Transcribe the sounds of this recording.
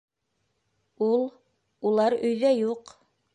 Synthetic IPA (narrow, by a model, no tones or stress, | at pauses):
ulˠ | ulˠɑɾɵ̆jðæjuq